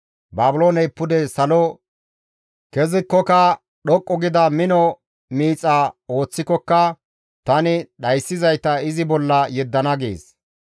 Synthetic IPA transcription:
baːbʊlo̞ːnɛjpːʊd̪ɛsɐlɔ | kɛzɪkːɔkɐ | ɗɔkʼːɔɡɪd̪ɐmɪnɔ | miːt͡sʼːao̞ːt͡sːɪkːɔkːɐ | t̪ɐnɪɗɐjsːɪzɐjt̪ɐɪzɪbɔlːɐjɛd̪ːɐnɐɡḛːs

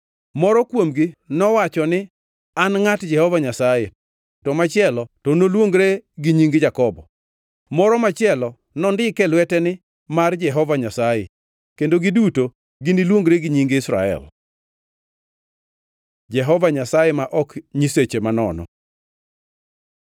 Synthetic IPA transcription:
mɔɾɔkwomɡinɔwat͡ʃɔnɪ | anŋatd͡ʒɛhɔvaɲasaje | tɔmat͡ʃɪɛlɔtɔnolwoŋɡɾeɡiɲiŋɡd͡ʒakɔbɔ̰ | mɔɾɔmat͡ʃɪɛlɔ | nɔndɪkɛlwɛtɛnɪ | mard͡ʒɛɦɔvaɲasajɛ | kendoɡiduto | ɡinilwoŋɡɾeɡiɲiŋɡɪsɾa̰ɛ̰l | d͡ʒɛɦɔvaɲasajɛmaʔɔkɲiset͡ʃemanɔ̰nɔ̰

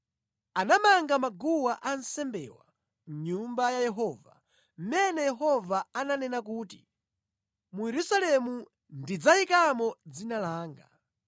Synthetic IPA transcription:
anamaŋɡamaɡuwaʔan̩sɛmbɛ̰ːwa̰ | m̩ɲumbajajɛɦɔːva̰ | m̩mɛnɛjɛɦɔvaananɛnakuːti̥ | mujɛɾusalɛmu | ndid͡zajikamɔd͡zinalaːŋɡa̰

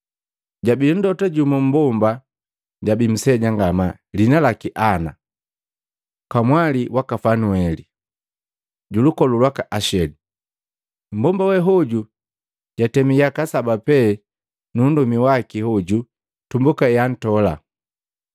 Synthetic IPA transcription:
ɟabin̩dɔtaɟumum̩bɔmba | ɟabim̩sɛɟaŋɡama | linalakiʔana̰ | kamwaliwakafanuɛli | ɟulukɔlulwakaʔaʃɛdu | m̩bɔmbawɛɦɔɟu | ɟatɛmijakasabapɛ | nundumiwakihɔɟu | tumbukaɛjan̩tɔla̰

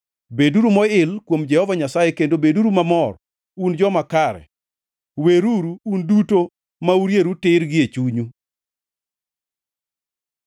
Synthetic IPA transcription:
beduɾumɔɪlkwomd͡ʒɛhɔvaɲasajɛkendobeduɾumamɔr | und͡ʒɔmakaɾɛ̰ | weɾuɾuunduto | mauɾjeɾutɪɾɡɪet͡ʃuɲu

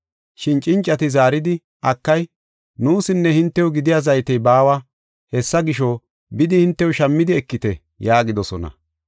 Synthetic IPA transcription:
ʃɪnt͡ʃʼɪnt͡ʃʼːɐt̪ɪzaːɾɪd̪ɪ | ʔɐkːɐj | nuːsɪnːɛhɪnt̪ːɛʊɡɪd̪ɪjaːzɐjt̪ɛjbaːwɐ | hɛsːɐɡɪʃo | bɪd̪ɪhɪnt̪ːɛjʊʃɐmːɪd̪ɪɛkːɪt̪ɛ | jaːɡɪd̪ɔsɔ̰nɐ̰

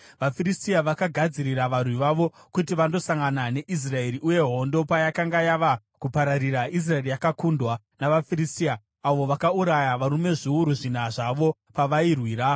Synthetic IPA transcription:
ʋafiɾistiaʋakaɡʱad͡ziɾiraʋarwiʋaʋo̞ | kutiʋando̞saŋɡanane̞ʔis̬rae̞ɾiʔuje̞ɦo̞ndo̞pajakaŋɡajaʋa | kupaɾaɾiɾais̬rae̞rijakakundwa | naʋafiɾistiaː | ʋo̞ʋakauɾajaʋaɾume̞ʐiuɾuʐin̤aʐaʋo̞ | paʋairwiːɾa

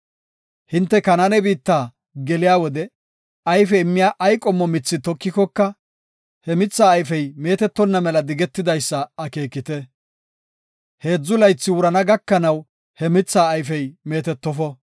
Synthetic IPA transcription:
hɪnt̪ːɛkɐnanɛbiːt̪ːaː | ɡɛlɪjaːwɔd̪ɛ | ɐjfɛɪmːɪjaːʔɐjkʼɔmːɔmɪt͡sːɪt̪ɔkːɪkɔkːɐ | hɛmɪt͡sːaːjfɛjme̞ːt̪ɛt̪ːɔnːɐmɛlɐd̪ɪɡɛt̪ːɪd̪ɐjsːɐːke̞ːkːɪt̪ɛ | he̞ːd͡zːʊlɐjt͡sːɪwʊɾɐnɐɡɐkːɐnɐw | hɛmɪt͡sːaːjfɛjme̞ːt̪ɛt̪ːɔfɔ

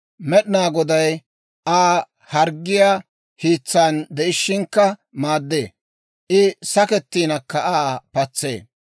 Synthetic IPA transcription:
mɛɗɪnaːɡɔd̪ɐj | aː | hɐɾɡːɪjaː | hiːt͡sːaːnd̪ɛʔɪʃːɪŋkːɐmaːd̪ːḛː | ʔɪsɐkɛt̪ːiːnɐkːɐʔaːpɐt͡sːḛː

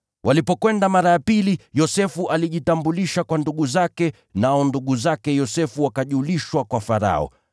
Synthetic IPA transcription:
wʔalipɔkwɛndamaɾajapilijɔsɛfuʔaliʄitambuliʃakwanduɠuzakɛ | naɔnduɠuzakɛjɔsɛfuwakaʄuliʃwakwafaɾa̰ɔ̰

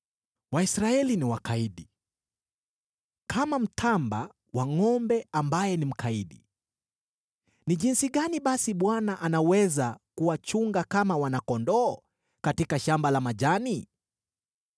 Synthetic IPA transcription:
waisɾaɛliniwakaiɗi | kʰamam̩tʰamba | waŋɔmbɛambajɛnim̩kaiɗi | niʄinsiɠaniɓasiɓwanaʔanawɛzakuwat͡ʃuŋɡakamawanakɔndɔː | katikaʃambalamaʄani

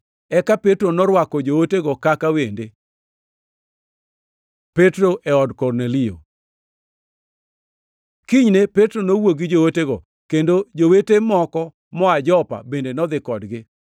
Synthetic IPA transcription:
ɛkapetɾonɔɾwakɔd͡ʒooteɡɔkakawende | petɾoʔɛɔdkɔrnelio̰ | kiɲnepetɾonowoɡɪd͡ʒooteɡɔ | kendod͡ʒowetemɔkɔ | mɔad͡ʒɔpa̰bendenɔd̪ɪkɔdɡɪ

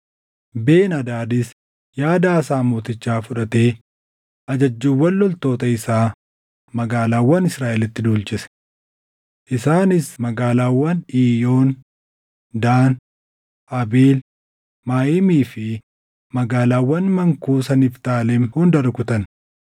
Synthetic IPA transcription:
beːnɐd̪aːd̪ɪs | jaːd̪aːsaːmoːt̪ɪt͡ʃːaːfʊᶑɐt̪e̞ː | ʔɐd͡ʒɐd͡ʒːuːwːɐlːɔlt̪o̞ːt̪ɐɪsaː | mɐɡaːlaːwːɐnɪsɾaːʔɛlɪt̪ːɪd̪uːlt͡ʃɪsɛ̥ | ʔɪsaːnɪsmɐɡaːlaːwːɐniːjo̞ːn | d̪aːn | ʔɐbiːl | maːjɪmiːfɪ | mɐɡaːlaːwːɐnmɐŋkuːsɐnɪft̪aːlɛmhʊnd̪ɐɾkʊt̪ɐn

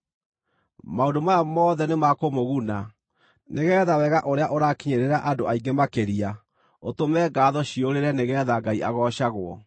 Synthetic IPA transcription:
maondomajamɔːðɛnemakomoɣuna | neɣɛːðawɛɣaʔoɾeaʔoɾakiɲeɾeɾaʔadoʔaiŋɡemakeɾia | otomɛːɡaːðɔɕioɾeɾɛneɣɛðaɡaiʔaɣɔɕaɣoɔ̰

